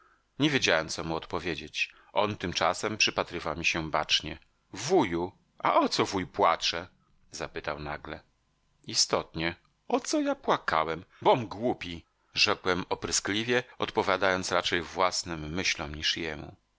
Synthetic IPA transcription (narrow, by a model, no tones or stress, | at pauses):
ɲevʲjed͡ʑawɛmt̪sɔmuɔt̪pɔvʲjed͡ʑet͡ɕ | ʔɔnt̪ɘmt͡ʂasɛmpʂɘpat̪ɾɘvawmʲiɕɛbat͡ʂɲɛ | vuju | ʔa̰ʔɔt̪sɔvujpwat͡ʂɛ | zapɘt̪awnaɡlɛ | ist̪ɔt̪ɲɛ | ɔt̪sɔjapwaka̰wɛmbɔmɡwupʲi | ʐɛkwɛmɔpɾɘsklʲivʲjɛɔt̪pɔvʲjad̪ajɔnt̪sɾat͡ʂɛjvwasnɘmːɘɕlɔmɲiʂjɛmṵ